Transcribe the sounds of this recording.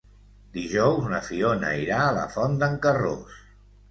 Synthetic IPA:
d̪iʒɔwzunəfionə̰iɾaːlə̰fɔnd̪əŋkəro̰s

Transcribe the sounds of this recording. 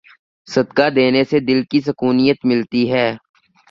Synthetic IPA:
sɐd̪kad̪eːnesed̪ɪlkisɐkuːnijət̪mɪlt̪iɦɛː

